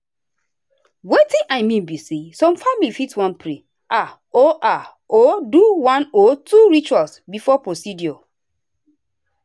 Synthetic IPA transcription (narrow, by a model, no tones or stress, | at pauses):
wetĩʔaɪmĩnbisesɔ̃mfamilifitwãnpʰɾe | ʔa | oʔa | oduwãnotʰuɹit͡ʃwalsbifɔpɹosidjɔ